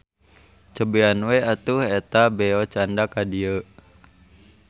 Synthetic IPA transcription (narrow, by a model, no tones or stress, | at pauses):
t͡ʃəbeanwɛat̪uɦɛt̪abɛɔt͡ʃandakadiə